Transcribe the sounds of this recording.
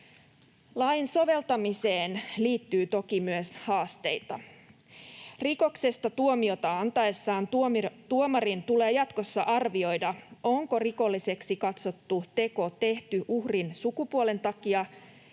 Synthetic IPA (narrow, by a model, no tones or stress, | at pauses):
lɑjnso̞ʋe̞lt̪ɑmise̞ːnliːt̪ːyːt̪o̞kimyøshɑːst̪e̞jt̪ɑ̰ | riko̞kse̞st̪ɑt̪uomio̞t̪ɑɑnt̪ɑesːɑːntt̪uomɑrint̪ule̞ːjɑt̪ko̞sːɑʔɑrʋio̞jdɑo̞ŋko̞riko̞lːise̞ksikɑt̪so̞t̪ːut̪e̞ko̞t̪e̞ht̪yʔuhrinsukupuole̞nt̪ɑkiɑ